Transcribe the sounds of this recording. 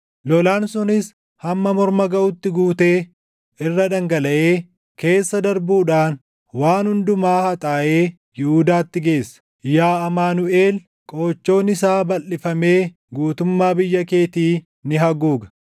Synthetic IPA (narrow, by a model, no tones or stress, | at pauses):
lɔlaːnsʊnɪs | hɐmːɐmɔɾmɐɡɐʔʊt̪ːɪɡuːt̪e̞ː | ʔɪrːɐd̪ɐŋɡɐlɐʔe̞ː | ke̞ːsːɐd̪ɐɾbuːᶑaːn | waːnhʊnd̪ʊmaːhɐt̪ʼaːʔeː | jɪhud̪aːt̪ːɪɡe̞ːsːɐ̥ | jaːɐmaːnʊʔeːl | kʼo̞ːt͡ʃːo̞ːnɪs̬aːbɐlːɪfɐme̞ː | ɡuːt̪ʊmːaːbɪjːɐke̞ːt̪iː | nɪɦɐɡuːɡɐ